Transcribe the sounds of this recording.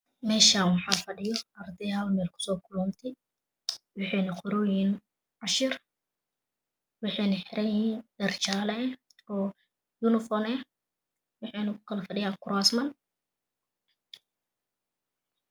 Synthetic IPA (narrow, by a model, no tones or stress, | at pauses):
mɛːʃaːnwɑħɑːfɐɖɪjɔɐrd̪ɛaːlmɛːlkʰʊ̥sɔːkʰʊlɔnt̪ʰɪ | wɑħɑjnɐqɔɾɔːjiːn | ʕɑʃɪr | wɑħɛnɐħɪɾʔɛjindɐrt͡ʃaːlɛ | ɔː | junɪfɔnɛ | wɑħɑjnɐkʊ̥kʰɐlɐfɐɖɪjaːŋkʰʊɾasmɐn